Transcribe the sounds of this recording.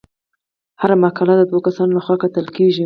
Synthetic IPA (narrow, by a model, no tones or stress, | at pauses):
haɾamakalad̪əd̪wokasɑnolaxwɑkat̪əlkeʒi